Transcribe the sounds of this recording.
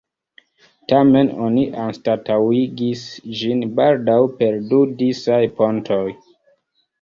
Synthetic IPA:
tame̞no̞̰niʔanstatawiɡisd͡ʒinbaldawpe̞ɾdudisajpo̞ntʰo̞j

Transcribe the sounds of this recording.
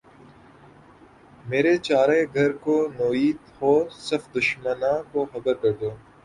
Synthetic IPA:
meːɾet͡ʃaːɾeɡʱɐɾkonoːiːt̪hoːsɐfd̪ʊʃmənãːkoxɐbəɾkɐɾd̪oː

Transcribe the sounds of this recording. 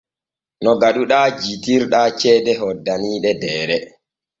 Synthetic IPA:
nɔɡaɗuɗaːd͡ʒitiɾɗaːt͡ʃɛːdɛɦɔdːaniːɗɛdɛːɾɛ

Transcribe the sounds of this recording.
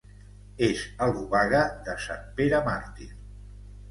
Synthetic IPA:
ezəlˠβuβaɣəðəsampeɾəmaɾt̪in

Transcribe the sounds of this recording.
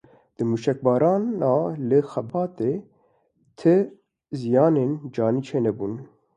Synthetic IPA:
d̪̥ɨmuːʃɛk̚bɑːɾɑːnɑːlɨxɛbɑːt̪eː | t̪ʰɨ | zijɑːneːnd͡ʒɑːniːt͡ʃʰeːnɛbuːn

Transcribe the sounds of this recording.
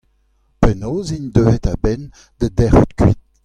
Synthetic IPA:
pɛnoːziɲd̪øːvet̪abɛn | d̪̥əd̪ɛʁut̪kɥit̪̚

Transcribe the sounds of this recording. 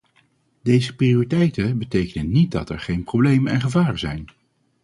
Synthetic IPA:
dejzəprioritɛjtəbətejkənənit̚dɑ̰tɛ̰ɹχejnprowblejmənɛnχəvaːrəzɛ̰jn

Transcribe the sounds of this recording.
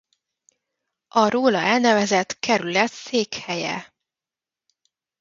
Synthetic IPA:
ɒɾoːlɒɛlnɛvɛzɛt̪kʰɛɾylɛt̪seːkhɛjɛ̰

